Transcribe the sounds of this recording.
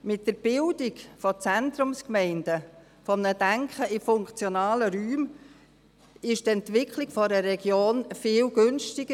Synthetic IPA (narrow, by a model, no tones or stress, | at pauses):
mɪt̚d̥əɾb̥ɪldɪɡfɔt͡sɛntɾʊmskmɛɪndə | fɔmnədæŋkχəʔɪfʊŋkt͡sjɔnɑːləɾyːm | ɪʃtɛntʋɪkʰlɪɡ̥fɔɾəɾɛɡjoːnfɪːlɡønʃtɪɡə